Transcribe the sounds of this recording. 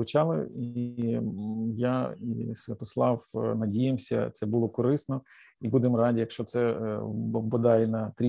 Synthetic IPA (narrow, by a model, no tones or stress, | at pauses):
ʊt͡ʃɑlˠɪ̰i | jaḭsʋʲɐt̪ɔslˠɑwnɐdʲijemsʲɐ̰t̪sɛbulˠɔkɔɾɪsnɔ | ibud̪ɪmrɑdʲijɐkʃt͡ʃɔt̪sɛ | bɔd̪ɑjɛnɐt̪ɾʲi